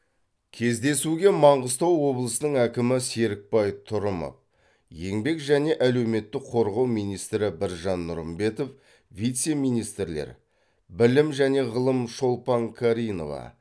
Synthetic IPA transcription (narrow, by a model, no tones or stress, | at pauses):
kʲʰe̞zd̪e̞suɡʲe̞mɑɴʁəst̪ɑwːo̞blˠəsənəɴækʲɪmɪse̞ɾɪk̚pɑjt̪ʰʊɾəmə̰p̚ | je̞ŋbe̞kʒæne̞ʔæle̞wme̞t̪ːɪkqʰo̞ɾʁɑwmijnijst̪ɾɪbɪɾʒɑnːʊɾəmbe̞t̪o̞f | vijt̪se̞mijnijst̪ɾle̞̰ɾ | bɪlɪmʒæne̞ʁəlˠəmʃo̞lˠpɑŋkʰaɾijno̞̰vɑ̰